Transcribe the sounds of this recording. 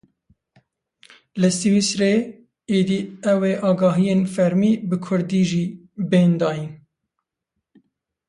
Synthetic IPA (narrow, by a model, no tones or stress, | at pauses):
lɨsiwisɾeː | eːd̪iːɛweːʔɑːɡɑːɦijeːnfɛɾmiːbɨkʰʊɾd̪iːʒiː | beːnd̪ɑːjin